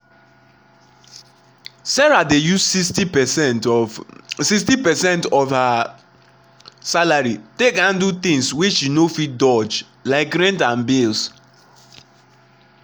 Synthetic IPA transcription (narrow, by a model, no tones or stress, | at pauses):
sɛɹadejusssti | siks̬tipɛsɛ̃ntɔfha | salaɹitekhãndut̪ĩŋswit͡ʃʃinofit̚dɔd͡ʒ | laɪk̚ɡɹɛ̃ntãnbels